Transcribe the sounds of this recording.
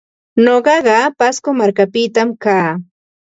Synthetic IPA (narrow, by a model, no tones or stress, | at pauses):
ɲoɢɑɢɑpaskomaɾkapɪt̪amkaː